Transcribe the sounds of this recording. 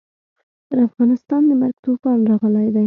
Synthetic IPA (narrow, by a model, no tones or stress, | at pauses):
t̪əɾafɣɑnɪst̪ɑnd̪əmaɾɡ̚t̪upɑnɾɑɣəlajd̪aj